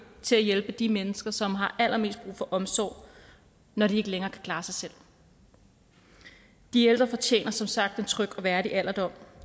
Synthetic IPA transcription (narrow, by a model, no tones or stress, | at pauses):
t͡sʰe̝læjelb̥əd̥imenəsɡ̥ɐsɒ̽mɦɑ̈ʔæl̰ʔɐme̝̰ːsd̥̚b̥ʁṵːfɒ̽ʔɒ̽msɒ̰ʊ̰ | nɒɾ̥ie̝ɡ̥əleŋɐːkʰæ̥kʰl̥ɑ̈ːsɑ̈ɪsel̰ | d̥ield̥ʁɐfɒ̽t͡ɕʰḛːnɐsɒ̽msɑ̈ɡ̥̚d̥e̝nt͡sʰʁœɡ̥ɒ̽ʋæɐɾiʔæl̰ɐd̥ɒ̽m̰